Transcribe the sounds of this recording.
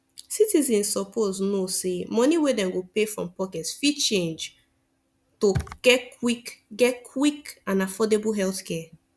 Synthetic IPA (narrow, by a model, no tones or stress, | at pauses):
sitizɛ̃nssɔpʰoznosemɔniwedɛ̃mɡopefɹɔ̰̃mpɔkɛtsfit͡ʃẽnd͡ʒ | toɡɛkwikɡɛkʰwikãnafɔdebulɦɛlθkʰɛ